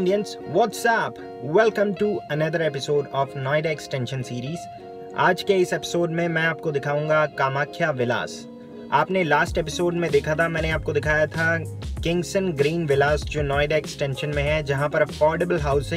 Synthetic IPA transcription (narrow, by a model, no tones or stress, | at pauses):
ɖijə̃nsʋɔːʈsɛːp | wɛlkə̃mʈuɐnɐd̪əɾepɪsoːɖɔːfnɔːɪɖaːksʈɛ̃ːnʃə̃nsiːɾiːz | a̰ːd͡ʒkeɪsɛpɪ̥soːɖmẽmɛ̃ːaːp̚kod̪ɪkʰaːũːŋɡakaːmaːkʰjaʋɪla̰ːs | aːpnelaːsʈepɪsoːɖmẽd̪ekʰat̪ʰamɛ̃ːneaːp̚kod̪ɪkʰaːjat̪ʰakɪ̃ŋɡsə̃nɡɾĩːnʋɪlaːsd͡ʒoːnɔːɪɖaeksʈɛ̃nʃə̃nmẽɦɛd͡ʒɐɦãpɐɾɐfɔːɾɖebəlɦaːʊsɪ̃